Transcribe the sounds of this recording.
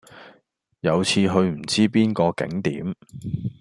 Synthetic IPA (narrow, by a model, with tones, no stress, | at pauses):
jɐ˨˧wt͡sʰiː˧ɦɵ˧ɥm̩˨˩t͡siː˥piː˥nkɔː˧kɪ̰˨˥ŋt̪ḭː˨˥m